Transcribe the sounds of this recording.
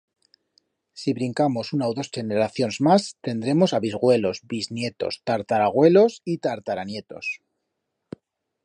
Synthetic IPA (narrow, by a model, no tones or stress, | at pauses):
siβɾiŋkamo̞sunaoðo̞st͡ʃe̞neɾaθjo̞nzmast̪e̞nd̪ɾe̞mo̞saβizɣwe̞lo̞zbiznje̞t̪o̞̰st̪aɾt̪aɾaɣ̞we̞lo̞sit̪aɾt̪aɾanje̞t̪o̞̰s